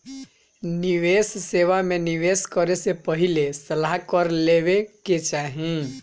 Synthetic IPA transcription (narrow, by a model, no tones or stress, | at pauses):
nɪʋeːsːeːʋamẽnɪʋeːskəɾesepəɦɪlesɐlaɦkəɾleːʋeket͡ʃaːɦẽ